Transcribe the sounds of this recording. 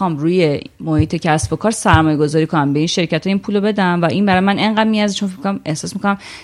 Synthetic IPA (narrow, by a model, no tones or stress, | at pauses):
ɒːmɾuːje̞mohiːt̪ʰecʰæsbokʰɒːɾsæɾmɒːje̞ɡo̞zɒːɾiːkʰonæmbe̞iːnʃe̞ɾcʰæt̪ʰɒjiːnpʰuːlobe̞d̪æmvæʔiːnbæɾɒjemænʔe̞ŋɢæd̪̚miæzit͡ʃʰonfimikʰonme̞hsɒːsmikʰonæm